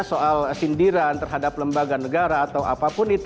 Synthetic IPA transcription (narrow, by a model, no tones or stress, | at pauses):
soʔalsindiɾant̪ərɦadapləmbaɡanəɡaɾaːt̪awʔa̰papʊnit̪